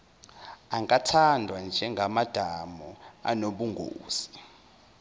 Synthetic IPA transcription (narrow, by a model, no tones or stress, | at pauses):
aŋatʰandʱwand͡ʒʱɛŋɡʱamad̥ʱamɔa̰noɓuŋɡʱo̰ːsi̥